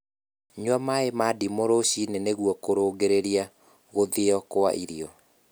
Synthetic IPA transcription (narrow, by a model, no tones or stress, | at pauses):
ɲwamaemadimoɾoɕineneɣwɔkoɾoːɡeɾeɾia | ɣoðeɔkoa̰ʔiɾiɔ